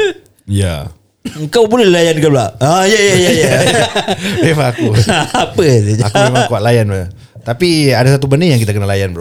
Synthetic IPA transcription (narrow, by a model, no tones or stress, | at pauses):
ja̰ | əŋkawboleilajankalaʔajajajaja | efaakuapəseakumemaŋkuaʔ̪̚lajanb | t̪apiadasat̪ubənijaŋkit̪akənalajanbə